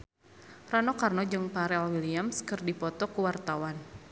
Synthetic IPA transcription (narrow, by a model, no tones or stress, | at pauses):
ranɔkarnɔd͡ʒɨŋpaɾɛlwiliamskɨrdipɔt̪ɔkuwart̪awan